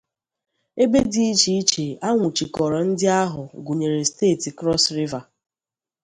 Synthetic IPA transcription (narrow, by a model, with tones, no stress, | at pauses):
e˦be˦di˦i˦t͡ʃi˦i˦t͡ʃe˨a˦ŋʷʊ˨t͡ʃi˨kɔ˨ɾɔ˨n̩˦dɪ˦a˦ɦʊ˨ɡu˨ɲe˨ɾe˨steː˦˨ti˨kɾɔ˦sɾi˦va˨